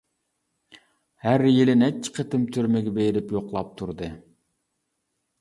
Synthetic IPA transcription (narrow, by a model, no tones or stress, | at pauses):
hæɾjelɪnɛt͡ʃʰːi̥qʰet̪ɪmt̪ʰyɾmɪɡʲɛbejɾɪpjoqlˠɑp̚t̪ʰuɾd̪ɨ